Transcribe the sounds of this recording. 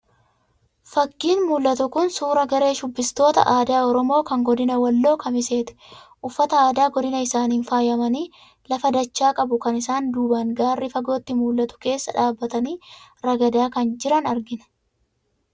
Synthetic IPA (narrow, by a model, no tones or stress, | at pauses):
fɐɡːiːnmuːlːɐt̪ʊkʊnsuːɾɐɡɐɾe̞ːʃʊbːɪst̪o̞ːt̪ɐ̰ʔaːd̪aːɔɾɔmo̞ːkɐŋɡɔd̪ɪnɐwɐlːo̞ːkɐmɪse̞ːt̪ɛ̥ʔʊfːɐt̪ɐaːd̪aːɡɔd̪ɪnɐɪsaːniːnfaːjɐmɐniː | lɐfɐd̪ɐt͡ʃːaːkʼɐbʊkɐnɪsaːnd̪uːbɐnɡaːrːifɐɡo̞ːt̪ːɪmuːlːɐt̪ʊ̥ke̞ːsːɐ̰ᶑaːbːɐt̪ɐniːɾɐɡɐd̪aːkɐnd͡ʒɪɾɐnɐɾɡɪnɛ̥